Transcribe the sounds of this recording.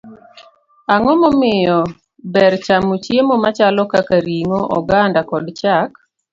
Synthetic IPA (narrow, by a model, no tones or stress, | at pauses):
aŋɔmɔmɪjɔ | bɛɾt͡ʃamot͡ʃjemomat͡ʃalɔkakaɾiŋoʔɔɡandakɔdt͡ʃak